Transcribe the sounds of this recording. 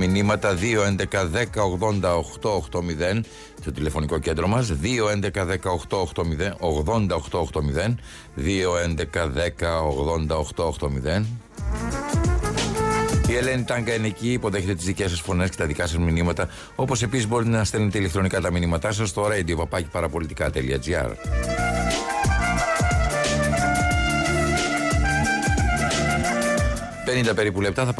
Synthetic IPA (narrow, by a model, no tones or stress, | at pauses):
minimɐt̪ɐðio̞e̞nd̪e̞kɐðe̞kɐoɣðo̞nd̪ɐoxt̪o̞ːxt̪omiðe̞n | st̪o̞t̪ile̞fo̞niko̞ce̞nd̪ɾomɐsðio̞e̞nd̪e̞kɐðekɐoxt̪o̞ːxt̪o̞miðenoɣðo̞nd̪ɐoxt̪o̞ːxt̪o̞miðe̞n | ðio̞e̞nd̪e̞kɐðe̞kɐoɣðo̞nd̪ɐoxt̪o̞oxt̪o̞miðe̞n | ie̞le̞nit̪ɐŋɡɐniciːpoðe̞çet̪e̞t̪izðice̞s̬ɐsfo̞ne̞sce̞t̪ɐðikɐsɐzminimɐt̪ɐ | o̞po̞se̞pisizbo̞ɾit̪enɐst̪enet̪eile̞k̚t̪ɾo̞nikɐt̪ɐminimɐt̪ɐs̬ɐst̪oɾɐind̪iopɐpɐci̥pɐɾɐpo̞lit̪i̥kɐt̪elḭɐ̰d͡ziɐ̰ɾ | pe̞nind̪ɐpe̞ɾipule̞p̚t̪ɐθɐ